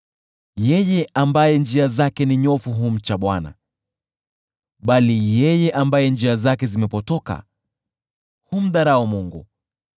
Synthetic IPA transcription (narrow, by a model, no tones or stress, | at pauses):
jɛjɛʔambajɛnd͡ʒiazakɛniɲɔfuɦum̩t͡ʃaɓwana̰ | ɓalijɛjɛʔambajɛnd͡ʒiazakɛzimɛpɔtɔka̰ | hum̩ɗaɾaɔmuŋɡṵ